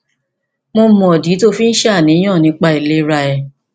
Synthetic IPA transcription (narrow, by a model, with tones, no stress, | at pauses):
mo˧mɔ̃˨ɔ˨di˨˦to˦fi˦n̩˦ʃa˦˨nĩ˨˦ã˦˨nĩ˨˧˦k͡pa˧i˨le˦ɾa˧ɛ˨